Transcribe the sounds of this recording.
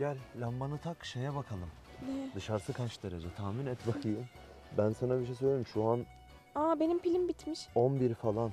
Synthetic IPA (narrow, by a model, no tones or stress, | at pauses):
ɟælʲlʲamːanɯt̪ʰakʃejɛbakʰalˠɯm | nɛd̪ɯʃaɾsɯkʰat͡ʃd̪eɾed͡ʒat̪ʰaːminɛt̪bakʰɯjɯm | bænsanabiɾʃejsøjlʲejimʃuan | aːbe̞nimpilʲimbit̪miʃonbiɾfalˠan